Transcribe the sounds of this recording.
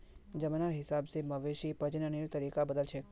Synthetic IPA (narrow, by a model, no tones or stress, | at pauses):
d͡ʒəmənaɾɦɪsabseməʋeʃipəd͡ʒnəniɾt̪əɾikabəd̪əlt͡ʃʰe